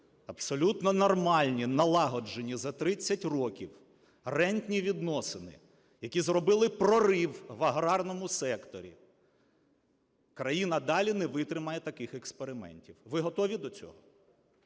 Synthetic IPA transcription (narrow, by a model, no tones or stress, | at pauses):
ɐbsɔlʲut̪nɔnɔrmɑlʲnʲinɐlˠɑɦɔd͡ʒenʲizɐt̪ɾɪt͡sʲːɐtʲrɔkʲiw | rɛnʲt̪ʲnʲiʋʲid̪nɔsɪnɪ̰ | jɐkʲizrɔbɪlˠɪpɾɔɾɪwʋɐɦɾɑrnɔmʊsɛkt̪ɔɾʲḭ | kɾɐjinɐd̪ɑlʲinɛʋɪt̪ɾɪmɐjɛt̪ɐkɪxekspeɾɪmɛ̰nʲtʲiwʋɪɦɔt̪ɔʋʲid̪ɔt͡sʲɔ̰ɦɔ